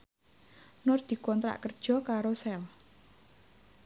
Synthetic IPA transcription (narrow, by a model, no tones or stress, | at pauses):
nʊrd̪̥i̤kɔnt̪ɾa̰ʔkərd̥ʒ̥ɔ̤kaɾosɛl